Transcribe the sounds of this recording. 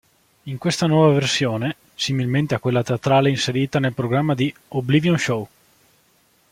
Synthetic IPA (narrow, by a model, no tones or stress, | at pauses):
iŋkwest̪anwɔːvaversjoːne | similment̪eakːwelːat̪eat̪ɾaːleinseɾiːt̪anelpɾoɡɾamːad̪ioblivjonʃow